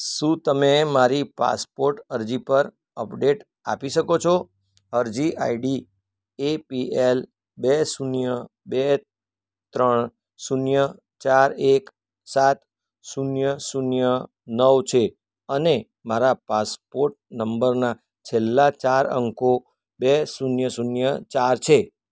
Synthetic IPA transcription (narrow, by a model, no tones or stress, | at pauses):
ʃũt̪əmemaɾipa̰spoɾʈəɾd͡ʒipəɾ | əpɖeʈ | a̰piʃəkot͡ʃʰo | əɾd͡ʒiʔa̰iɖi | epiel | besunjəbe | t̪ɾəɳ | sunjə | t͡ʃaɾek | sat̪ | sunjəsunjə | nəʋt͡ʃʰe | əne | maɾapaspoɾʈ̚nəmbəɾna | t͡ʃʰelːat͡ʃaɾə̰ŋko | besunjəsunjət͡ʃaɾt͡ʃʰe